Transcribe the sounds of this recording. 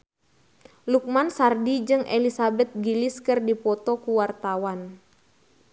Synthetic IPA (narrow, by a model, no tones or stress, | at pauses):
luk̚mansardid͡ʒɨŋʔelisabɛt̪̚ɡiliskɨrdipɔt̪ɔkuwart̪awan